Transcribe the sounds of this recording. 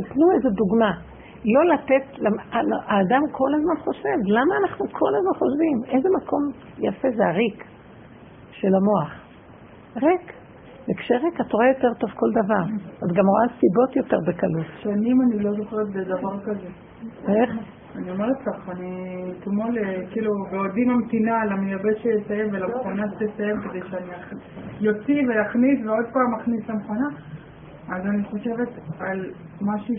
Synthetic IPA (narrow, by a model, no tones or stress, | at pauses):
tipnuezeduɡma | lo̞lat̪etlamalʔaːdamkʰo̞lazmanχo̞ʃe̞vlamaːnaχnukʰo̞lazmanχo̞ʃvimezemakʰo̞m | jafe̞zeaʁik | ʃe̞lamo̞aχ | ʁek | bekʃeʁekatoʁajo̞te̞ʁto̞vko̞ldavaʁazɡamʁoasibo̞tjo̞te̞ʁbekalutʃanimanilo̞zoχeʁet̪bed̪avaʁkaze | eχ | aniomeʁettaχanit̪molekiːlubeodimamt̪inalamejabet̪ʃelesajemvelamχonaʃelesajemked̪ejʃeaniajo̞t͡sivelaχnisveo̞dpaːmaχnislamχona | azaniχoʃe̞vetal | maʃu